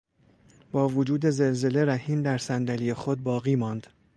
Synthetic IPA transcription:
b̥ɒːvod͡ʒuːd̪e̞ze̞lze̞le̞ɾæhiːmd̪æɾsænd̪ælijexod̪̚bɒːɣiːmɒːnd̪̥

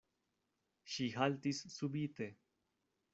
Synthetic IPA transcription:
ʃiɦalt̪isːubit̪e̞

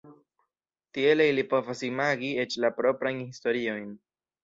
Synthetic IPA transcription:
tie̞leilipo̞vasimaɡie̞t͡ʃlapɾo̞pɾajnhisto̞ɾio̞jn

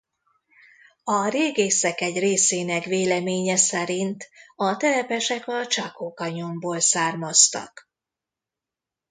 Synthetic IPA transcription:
ɒreːɡeːsɛkɛɟreːseːnɛkʋeːlɛmeːɲɛsɛɾint̪ɒt̪ɛlɛpɛʃɛkɒt͡ʃɒkoːkɒɲomboːlsaːrmɒst̪ɒ̰k

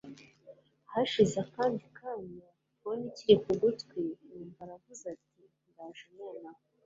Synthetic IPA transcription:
haʃizakaːndikaːɲa | oniciɾikuɡutkwiniːmvaɾavuzati | ŋɡaːʒumenaho

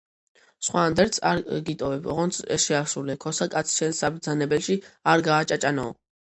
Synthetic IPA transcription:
sχwaːnd̪ɛɾt̪sʰa̰ɾɡit̪ʼɔvɛbɔ̰ʁɔnt̪sʰɛ̰ʃɛaɾsulɛkʰɔsakʼat̪sʰʃɛnsːabɾd̪zanɛbɛlʃiaɾɡaːt͡ʃʼat͡ʃʼanɔ̰ː

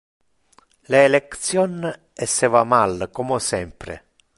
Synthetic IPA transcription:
leːlekt̪sjɔn | ɛsːevamalkomosɛmpɾḛ

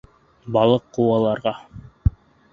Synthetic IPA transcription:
bɑlˠɤqːuwɑlˠɑɾʁɑ

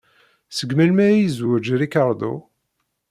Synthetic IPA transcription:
səɡmælmæjzwæd͡ʒɾikaɾˤd̪ṵ

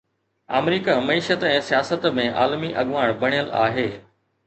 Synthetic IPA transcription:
a̰ːmɾiːkamɐiːʃət̪ɛ̃ːsijaːsət̪mẽʔa̰ːlmiʔɐɠʋaːɽ̃bɐɽ̤̃ijəla̰ːɦeː

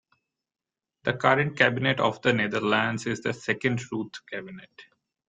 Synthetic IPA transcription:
d̪̥əkʌɾə̃ɳʈ̚kæbɪneʈɔ̰ːʋd̪əned̪əɾlæ̃ɳɖzɪzd̪əsɛkə̃ɳɖɾuːt̪kæbɪneʈ

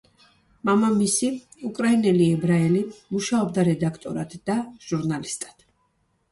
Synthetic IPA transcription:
mamamisi | ukʼɾainɛliɛbɾaɛlimuʃaɔb̚d̪aɾɛd̪akʰt̪ʼɔ̰ɾad̪̥d̪aʒ̥uɾnalist̪ʼad̪̥

